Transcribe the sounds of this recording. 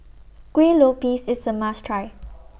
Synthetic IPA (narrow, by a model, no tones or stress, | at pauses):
kwelopisɪsəmastʰɹaɪ